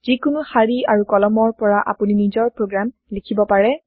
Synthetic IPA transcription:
z̥ikʊnuhaɹiaɹukɔlɔmɔɹpɔɹaʔa̰puninizɔɹpɹoɡɹam | likʰibɔpaɹɛ

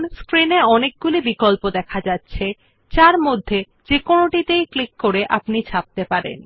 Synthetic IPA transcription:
nskɾineɔnek̚ɡulibikolpod̪ɛkʰad͡ʑatːɕʰe | t͡ɕaɾmod̪ʱːe | d͡ʑekonoʈit̪ejklikːoɾeʔapnit͡ɕʰap̚t̪epaɾḛn

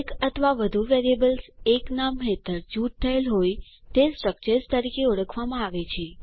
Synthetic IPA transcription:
kət̪ʰəʋaʋəd̪ʱuʋeɾiebəlseknamɦet̪əɾd͡ʒuʈ̚t̪ʰəelɦoj | t̪esɾək̚t͡ʃest̪əɾikeuɽəkʰʋamãaʋet͡ʃʰe

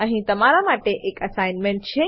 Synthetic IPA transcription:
əɦĩt̪əmaɾamaʈeʔekəsajnmẽɳʈ̚t͡ʃʰe

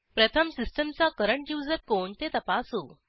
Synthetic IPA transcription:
pɾət̪ʰəmsisʈəmt͡sakəɾəɳʈjuːd͡zəɾkoɳt̪et̪əpasuː

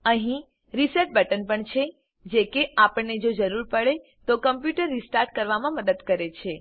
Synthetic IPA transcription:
əɦĩ | ɾisəɾʈ̚bəʈənpəɳt͡ʃʰe | d͡ʒekeapəɳned͡ʒod͡ʒəɾuɾpəɭe | t̪okəmpjuʈəɾːisʈaɾʈ̚kəɾʋamãməd̪əd̪kəɾet͡ʃʰe

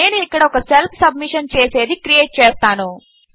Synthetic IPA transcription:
e̞ːnuikːɐɽɐɔkɐselpʰsɐbmiʂɐnt͡ʃeːse̞ːd̪ikɾijeːʈ̚t͡ʃɛːst̪aːnu

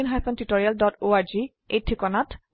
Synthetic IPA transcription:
inɦajfʰɔntitɔɹialdɔtoaɹzi | etʰːikɔnat

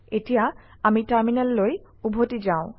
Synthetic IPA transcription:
etija | amitaɹminɛlːoj | ubʱotizaʊ̃

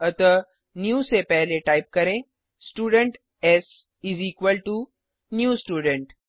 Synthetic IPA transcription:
ɐt̪ə | njuːsepɛɦleʈaːɪp̚kɐɾẽ | sʈuːɖə̃ɳʈ | ɛs | ɪziːkʋəlʈu | njuːsʈuːɖə̃ɳʈ

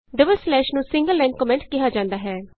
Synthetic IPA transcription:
ɖɪbəlslɛːʃnũːsɪ̃ŋɡəlːɛ̃ːŋkɔmɛ̃ɳʈkɪɦaːd͡ʒãːnd̪aːɦɛː

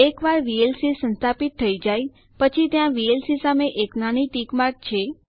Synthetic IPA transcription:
ekʋaɾʋielsisə̃nst̪ʰapit̪ʰːəid͡ʒaj | pət͡ʃʰit̪jãʋielsisameʔeknañiʈikmaɾk̚t͡ʃʰe

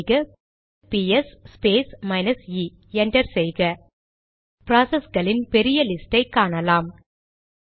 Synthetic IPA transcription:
ɣɐ | piɛsːpeːsmɐɪnɐsiː | ɛnɖɐɾsɛjɣɐ | pɾaːsɛsɡɐɭɪnpɛɾɪjɐlɪsʈɐɪkːaːɳɐlaːm

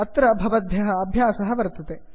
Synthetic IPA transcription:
ɐt̪ɾɐbʱɐʋɐd̪ʱjɐɦɐ̆ːbʱjaːsɐɦɐʋɐɾt̪ɐt̪e

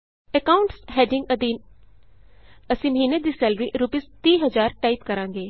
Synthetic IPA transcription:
əkaːʊɳʈsɦɛːɖɪŋɡəd̪iːn | əsĩːməɦiːneːd̪iːsɛːlɾḭːʔɾupɪst̪iːɦəzaːɾʈaːit̪kəɾãːŋɡeː

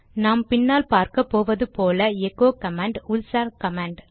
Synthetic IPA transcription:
naːmpɪnːaːlpaːɾkɐpːoːʋɐðɯpoːlɐɛkːoːkɐmaːɳɖʊlsaːɾkɐmaːɳɖ

